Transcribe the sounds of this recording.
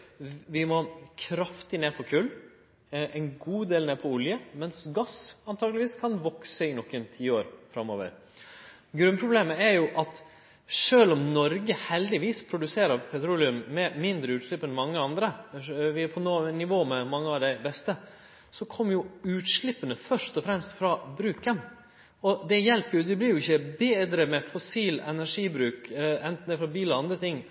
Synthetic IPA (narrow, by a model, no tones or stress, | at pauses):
ʋɪmɔkʰɾɑft̪ɪneːpʰɔkʰʉlː | ʔɛɪnɡuːd̪eːlneːpʰɔʊljəmɛnsɡɑsɑnt̪ʰɑːɡəlɪʋiːskʰɑnʋɔksəɪnɔkːɛmt̪ʰiːəoːɾfɾɑmːoːʋə̰ɾ | ɡɾʉnpʰɾʊbleːməɛɾjʊʔɑt̪ | ʂøːlɔmnɔɾɡəhɛld̪ɪʋiːspʰɾʊd̪ʉseːɾɑpʰɛt̪ʰɾuːlɪʉmːɛmɪnd̪ɾəʉːt̪ʂɭɪpːənmɑŋːəɑnd̪ɾəʋɪpʰɔnoːnɪʋoːmɛmɑŋːəɑʋd̪ɛɪbɛst̪ə | sɔkʰɔmːjʊʉːt̪ʂɭɪpːənəfœʂt̪ɔfɾɛmst̪fɾɑbɾʉːkən | ɔd̪ɛjɛlpːəɾjʊd̪ɪblɪɾjʊɪçːəbeːd̪ɾəmɛfɔsiːlɛnæʂiːbɾʉːkɛnt̪n̩d̪ɛfɾɑbiːlɔɑnd̪ɾət̪ʰɪŋː